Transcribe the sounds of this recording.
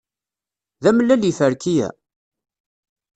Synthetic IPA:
ðæməlːælifəɾkijæ̰

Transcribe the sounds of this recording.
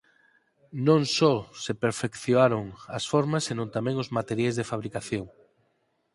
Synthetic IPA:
nõŋsosepeɾfekθjoaɾoŋɐsfoɾmasːenõnt̪amɛ̃ŋʊzmat̪eɾjajzðefaβ̞ɾikaθjoŋ

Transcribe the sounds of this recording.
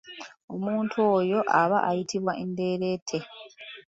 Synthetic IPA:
o̞muːntʰuoːjo̞ʔaβaʔajitʰiβwaʔende̞ːɾe̞ːtʰːe̞

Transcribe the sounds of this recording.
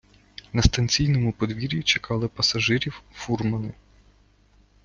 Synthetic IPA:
nɐst̪ɐnʲt͡sʲijnɔmʊpɔd̪ʋʲiɾʲit͡ʃekɑlˠɪpɐsɐʒɪɾʲiwfurmɐnɪ

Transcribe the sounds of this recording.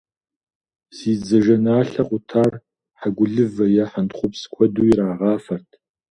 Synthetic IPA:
siːd͡zɐʒɐnaːɬɐqʷʼʊtʰaːr | ħaɡʷʊɮɨvɐjɐħantχʷʊpskʷʰɔduːiɾaːʁɑːfɐrtʰ

